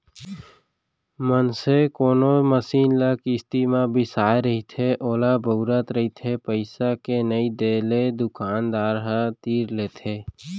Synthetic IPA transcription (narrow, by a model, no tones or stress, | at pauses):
mənsekoːnoməsiːnləkist̪iːmãbʱɪsaːeɾəɦit̪ʰeʔoːlabəʊɾət̪ɾəɦit̪ʰepəɪsakenəid̪eːled̪ʊkaːnd̪aːɾɦə̃t̪iːɾleːt̪ʰeː